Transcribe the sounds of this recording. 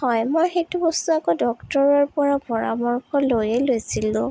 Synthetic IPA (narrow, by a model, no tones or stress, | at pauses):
hɔjmɔjxetubɔstuakɔdɔktɔɹɔɹpɔɹabɔɹa̰mɔɹkɔlojelojsilʊ̃